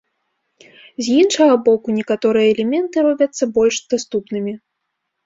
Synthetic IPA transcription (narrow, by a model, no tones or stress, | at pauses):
zʲjinʂɐɣɐbɔkunʲɛkat̪ɔɾɨjɐːlʲɛmʲɛnt̪ɨɾɔbʲɐt̪sːɐbɔlʲʂd̪̥ast̪upnɨmʲi